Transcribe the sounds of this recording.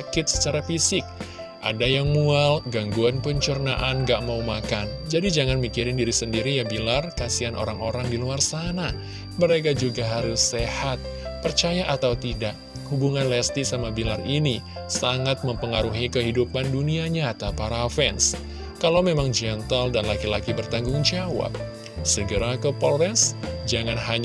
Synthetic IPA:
kɪt̪̚sə̥t͡ʃaɾafisɪk̚ | ʔa̰dajaŋmualɡaŋɡuanpəɲt͡ʃurnaʔanɡaʔmaumakand͡ʒadid͡ʒaŋanmikiɾɪndiɾisəndiɾijabilarkasianʔo̰ɾaŋo̰ɾaŋdiluarsana | məɾek̬ad͡ʒuɡaɦaɾʊsːehat̪̚pərt͡ʃajaʔat̪awt̪idaʔ | hubuŋanlɛst̪isamabilarini | saŋat̪̚məmpəŋaɾuɦikəɦidupanduniaɲat̪apaɾafɛns | kalawmemaŋd͡ʒɛnt̪əldanlakila̰kibərt̪aŋɡʊŋd͡ʒawa̰p̚ | səɡəɾakəpɔlɾɛnsd͡ʒaŋanɦaɲ

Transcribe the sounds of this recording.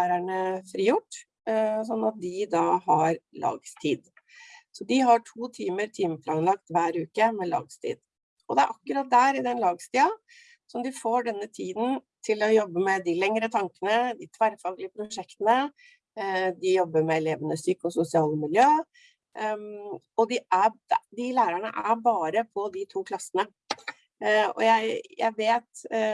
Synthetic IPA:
æːɾæɳəfɾiːjʊʈː | s̬ɔnːɑt̪̚d̪ɪd̪ɑːhɑɾlʔɑ̰ːɡst̪ʰiːd̪ | sɔd̪ɪɦɑʈʰuːt̪ʰiːməɾt̪ʰiːməflɑɡnlɑkt̪ʋæːɾʉːkəmɛlɑ̰ːɡst̪ʰḭːd̪̥ | ɔd̪ɛæɾʔɑkːʉɾɑt̪̚d̪æːɾɪd̪ɛnlɑːɡst̪iːɑ | sɔmd̪ɪfoːɖɛnːət̪ʰiːd̪n̩t̪ʰɪlɔjɔbːəmɛd̪ɪlɛŋɾət̪ʰɑŋkənəd̪ɪt̪ʰʋæɾfɑːɡlɪəpʰɾʊʂɛkt̪ənə | d̪ɪjɔbːəɾmɛɛleːʋənəsyːkʊsʊsɪɑːləmɪljøː | ɔd̪ɪʔæd̪ɪlæːɾəɳə̰ʔæɾbɑːɾəpʰɔd̪ɪt̪ʰuːkʰlɑsːənə | ɔ̰jæɪjæ̰ɪʋeːt̪

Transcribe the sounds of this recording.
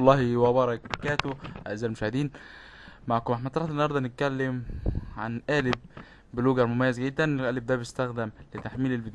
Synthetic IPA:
lːɑːhiwæbɑɾˤɑk̚bkæːt̪oʔæ̰ʔzæːlmoʃæhed̪iːn | maʕkmaħmæd̪t̪ːɑɾˤɑħt̪enːɑhɑɾˤd̪ˤɑnet̪̚kælːemʕa̰nʔæːleb̚ː | eloɡɑɾˤmomæjːæzɡed̪ːænʔæːleb̚d̪æbest̪æxd̪æmlet̪aħmiːlelbed̪

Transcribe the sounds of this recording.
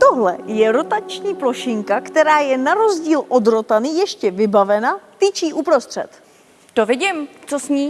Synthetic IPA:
t̪o̞ɦlɛ̰jɛɾo̞t̪at͡ʃɲiːplo̞ʃɪŋkakt̪ɛɾaːjɛnaɾo̞zɟiːlʔo̞dɾo̞t̪aniːjɛʃcɛvɪbavɛnat̪it͡ʃiːʔupɾo̞st̪r̝̥ɛ̰t̪ | t̪ovɪɟɪmt͡sosɲiː

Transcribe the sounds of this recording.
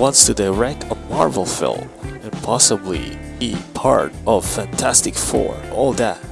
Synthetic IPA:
wʌ̃nstʰɨdaɪɹɛk̚əmɑɹvl̩ˠfɪ̰lˠ | ɨ̃npʰɑsəblḭbipʰɑ̰ɹɾʌv̥fæ̃ntʰæstɨkfɔ̰ɹɔlˠðæ̰t̚

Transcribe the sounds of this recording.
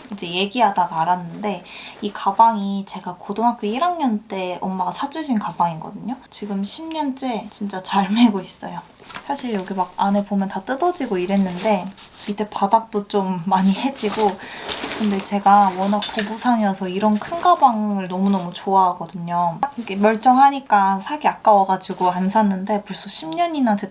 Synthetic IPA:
id͡ʑe̞je̞ɡiɦadaɡaːɾanːɯnde̞ikabaŋit͡ɕe̞ɡakodɯŋɦak͈ʰiiɾaŋɲʌnt͈e̞ʌmmaɡasʰad͡ʑuɕʰinkabaŋinɡʌ̰dɯɲot͡ɕiɡɯmɕʰimɲʌnt͡ɕ͈e̞t͡ɕint͡ɕ͈at͡ɕaɭme̞ɡois͈ʌjo | sʰaɕʰiɭjʌɡimaɡ̚ane̞bomjʌntat͈ɯdʌd͡ʑiɡoiɾe̞nːɯnde̞ | bitʰepadak̚t͈ot͡ɕ͈omːaɲihe̞d͡ʑiɡokɯnde̞t͡ɕe̞ɡawʌnakʰobusʰaŋʌsʰʌiɾʌnkʰɯnɡabaŋɯɭnʌmunʌmut͡ɕoaɦaɡʌdɯɲʌmakɯɡemjʌɭt͡ɕ͈ʌŋɦaɲik͈asʰaɡiak͈̚awʌɡad͡ʑiɡoansʰanːɯnde̞poɭs͈oɕʰimɲʌɲinat͡ɕe

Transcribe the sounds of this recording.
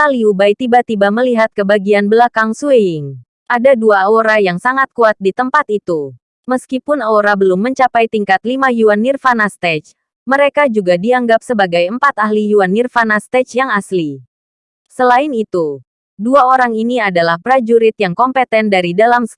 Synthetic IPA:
t̪aliubajt̪ibat̪ibaməliɦat̪̚kəbaɡianbəlakaŋsueɪŋ | ʔadaduaoɾajaŋsaŋat̪̚kuat̪̚dit̪əmpat̪it̪u | məskipʊnaoɾabəlʊmːəɲt͡ʃapajt̪iŋkat̪limajuanːirfanast̪ɛt͡ʃ | məɾekad͡ʒuɡadiaŋɡap̚səbaɡajəmpat̪aɦlijuanːirfanast̪ɛt͡ʃjaŋasli | səlaɪnit̪u | duaoɾaŋiniadalahpɾad͡ʒuɾɪt̪̚jaŋkɔmpet̪ɛndaɾidalam

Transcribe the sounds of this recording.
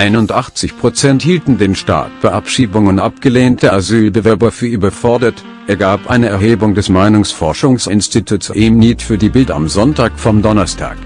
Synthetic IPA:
ʔaɪnʊntʔaχt͡sɪçpʁ̥ot͡sɛnthiːltn̩deːnʃta̰ːt̚b̥əʔa̰pʃiːbʊŋəʊnʔap̚ɡ̥əleːntəazyːlbəvɛɐbɐfyːɐʔyːbɐfɔɐdɐt | ʔeːɐɡaːpʔa̰ɪnəɛɐheːbʊŋdɛsmaɪnʊŋsfɔɐʃʊŋsɪnstitʰusʔɪmniːtfyːɐdiːbɪldɐa̰mzɔntaːkfɔmdɔnɐstʰa̰ːk

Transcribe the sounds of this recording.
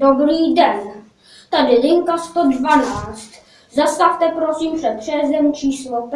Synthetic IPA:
obɾiːdɛn | t̪adɪlɪŋkast̪odvanaːt͡st̪ | zast̪aft̪ɛpɾosiːmsɛpr̝̥ɛzɛmt͡ʃiːslop

